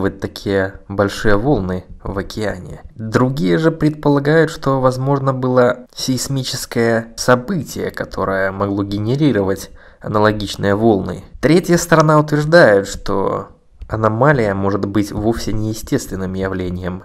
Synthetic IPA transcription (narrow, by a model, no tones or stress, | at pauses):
vət̚ʲt̪ːɐkʲʰijəbɐlʲʂɨjəvo̞lˠnɨvɐkʲɪa̰nʲɪ̰d̪ɾʊɡʲijəʐɨpɾʲɪt̪̚pəlˠɐɡajʊt̪ʂt̪o̞vɐzmo̞ʐnəbɨlˠəsʲɪsʲmʲit͡ɕɪskəjəsɐbɨtʲɪjə̰kɐt̪ʰo̞̰ɾɨjəmɐɡlˠo̞ɡʲɪnʲɪɾʲiɾəvətʲ | ɐnəlˠɐɡʲit͡ɕnɨjəvo̞lˠnɨ̰t̪ɾʲetʲjəst̪əɾɐnaʊt̪vʲɪrʐd̪ajʊt̪ʂt̪o̰ | ɐnɐmalʲɪjəmo̞ʐɨt̪bɨtʲvo̞fsʲɪnʲɪjɪsʲtʲe̞st̪vʲɪnːɨmjɪvlʲenʲɪjəm